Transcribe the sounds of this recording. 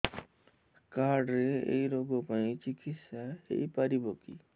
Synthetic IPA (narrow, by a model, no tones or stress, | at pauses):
kaːɾɖɾeḛiɾoːɡopaĩt͡ʃikisaḛipəɾibʱoːkḭ